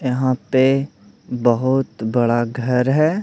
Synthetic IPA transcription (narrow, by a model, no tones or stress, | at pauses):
jɐɦãpe | bɐɦʊt̪bɐɽaɡʱɐɾɦɛː